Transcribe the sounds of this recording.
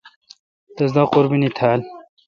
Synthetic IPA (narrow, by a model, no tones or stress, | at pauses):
t̪ɐzd̪aquɾbinit̪ʰaːl